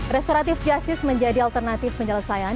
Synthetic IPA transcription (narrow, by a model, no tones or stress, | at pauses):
rɾɛst̪oɾat̪ɪfd͡ʒast̪ɪsməɲd͡ʒadialt̪ərnat̪ɪfpəɲələsajan